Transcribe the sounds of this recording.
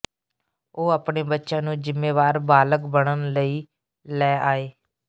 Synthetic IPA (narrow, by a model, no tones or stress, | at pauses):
oːaːpɳeːbətːʃãːnũːd͡ʒɪmːeːʋaːɾbaːləkbəɽənləiː | lɛːʔaːeː